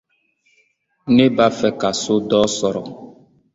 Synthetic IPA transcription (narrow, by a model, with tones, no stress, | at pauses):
nẽ˦ba˦fɛ˨ka˨so˦dɔː˦sɔ˨ɾɔ˨